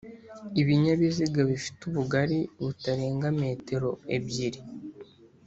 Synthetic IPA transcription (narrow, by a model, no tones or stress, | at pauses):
iβiɲaβiziɡaβifi̥tuβuɡaɾiβutaɾe̞ːŋɡame̞ːte̞ɾo̞e̞bjiɾi